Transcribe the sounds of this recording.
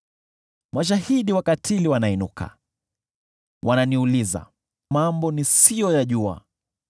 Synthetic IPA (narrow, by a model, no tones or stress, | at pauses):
mwaʃ̬ahiɗiwakatʰiliwanainṵkʰa̰ | wʔananiuliza̰ | mambɔnisijɔjaʄua̰